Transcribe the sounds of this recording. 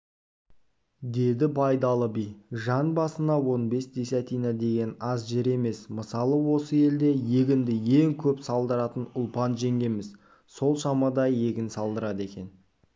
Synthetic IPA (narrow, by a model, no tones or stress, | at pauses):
d̪e̞d̪ɪbɑjd̪ɑlˠəbijʒɑnbɑsənɑwo̞nbe̞sd̪esɑt̪ijnɑd̪e̞ɡʲe̞nɑzʒeɾe̞me̞sməsɑlˠəwo̞səje̞ld̪e̞je̞ɡʲɪnd̪ɪje̞ŋkʲʰɵpsɑlˠd̪əɾɑt̪ənʊlˠpɑnʒe̞ŋɡʲe̞mɪz | so̞lˠʃɑmɑd̪ɑje̞ɡʲɪnsɑlˠd̪əɾɑd̪e̞kʲe̞n